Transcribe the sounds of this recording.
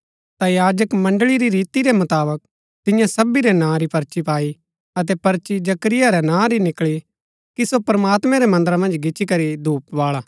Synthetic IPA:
t̪ajaːd͡ʒəkmɐ̃ɳɖɭiɾiɾiːt̪iɾemʊt̪aːbək̚ | t̪ɪjãsɐbiɾɛnãːɾipɐɾt͡ʃipaːi | ɐt̪̬ɛpɐɾt͡ʃid͡ʒɐkɾɪjaɾɛnãːɾinɪkɭi | kisopɾɐmaːt̪mɛ̃ɾɛmɐ̃nd̪əɾãmɐ̃nd͡ʒɡɪt͡ʃʰikɐɾid̪ʱuːp̚ʋaːɭaː

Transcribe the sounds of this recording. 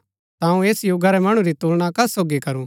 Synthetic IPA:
t̪aũeːsjuːɡaɾɛmɐɽ̃ũɾit̪uːlɽ̃akɐsoːɡikɐɾũ

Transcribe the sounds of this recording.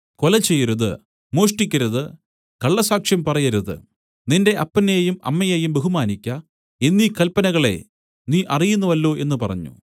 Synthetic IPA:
ko̞lɐt͡ɕːejːɐɾuðɨ̰ | mo̞ːʂʈikʲːɐɾɐðɨ | kɐɭːɐsaːkʂjɐmpɐrɐjɐɾuðɨ̰ | ninde̞ʔɐpːɐnejumɐ̰mːɐjejumbeɦumaːnikʲːɐ | enːiːkɐlpɐnɐɣɐɭe̞̰ | niːʔɐrijunːuʋɐlːo̞ːʔe̞nːɨpɐrɐ̰ɲːṵ

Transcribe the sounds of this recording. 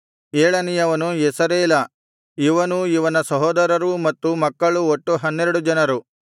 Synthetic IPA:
eːɭɐnijɐʋɐnuesɐɾeːlɐ | iʋɐnuiʋɐnɐsɐɦɔːd̪ɐɾɐɾumɐt̪ːumɐkːɐɭuoʈːuɦɐnːeɾuɽud͡ʒɐnɐɾu

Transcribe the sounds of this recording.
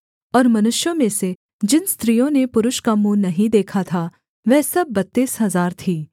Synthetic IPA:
ɔːɾmɐnʊʃjõmẽse | d͡ʒɪnst̪ɾijõnepʊɾʊʃkamũnɐɦĩd̪eːkʰat̪ʰa | ʋɛːsɐbːɐt̪ːiːsɦɐzaːɾt̪ʰiː

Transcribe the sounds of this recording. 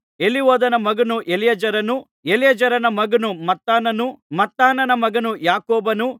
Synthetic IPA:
e̞liʋɔːd̪ɐnɐmɐɡɐnuʔelijɐd͡ʒɐɾɐnu | elijɐd͡ʒɐɾɐnɐmɐɡɐnumɐt̪ːaːnɐnumɐt̪ːaːnɐnɐmɐɡɐnujaːkoːbɐnu

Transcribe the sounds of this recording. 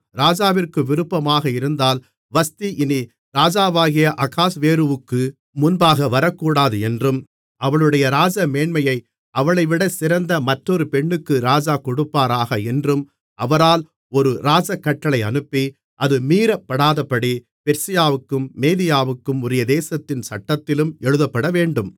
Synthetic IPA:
ɾaːd͡ʒaːʋɪrkɯʋɪɾɯpːɐmaːɣɐɪɾɯnd̪aːl | ʋɐst̪iʔɪni | ɾaːd͡ʒaːʋaːɣɪjɐʔɐkaːsʋeːɾɯʋɯkːɯ | mʊnbaːɣɐʋɐɾɐkːuːɽaːðɯɛndrɯm | ɐʋɐɭɯɽɐjɐɾaːd͡ʒɐmeːɳmɐjɐɪ | ɐʋɐɭɐɪʋɪɽɐsɪɾɐnd̪ɐmɐʈrɔɾɯpɛɳːɯkːɯɾaːd͡ʒaːkɔɽɯpːaːɾaːɣɐɛndrɯm | ɐʋɐɾaːl | ɔɾɯɾaːd͡ʒɐkːɐʈːɐɭɐɪɐnɯpːi | ʔɐðɯmiːɾɐpːɐɽaːðɐpːɐɽi | pɛɾsɪjaːʋɯkːɯmːeːðɪjaːʋɯkːɯmʊɾɐjɐd̪eːsɐt̪ːɪnsɐʈːɐt̪ːɪlɯmɛɻɯðɐpːɐɽɐʋeːɳɖɯm

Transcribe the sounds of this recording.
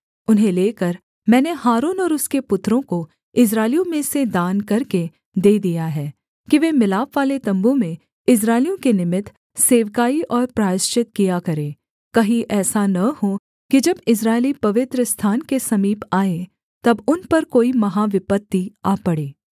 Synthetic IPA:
ʊnɦẽleːkɐɾ | mɛ̃ːneɦaːɾoːnɔːɾʊskepʊt̪ɾõko | ɪs̬ɾaːɪlijõmẽsed̪aːnkɐɾke | d̪eːd̪ijaɦɛː | kiʋeːmɪlaːpʋaːlet̪ɐ̃mbõmẽ | ɪs̬ɾaːɪlijõkenɪmɪt̪ | seːʋkaːiʔɔːɾpɾaːɪʃt͡ʃɪt̪kijakɐɾẽː | kɐɦiʔɛːsanɐho | kid͡ʒɐbɪs̬ɾaːɪlipɐʋɪt̪ɾəst̪ʰaːnkesɐmiːpaːe | t̪ɐbʊnpɐɾkoːimɐɦaːʋɪpət̪ːiaːpɐɽeː

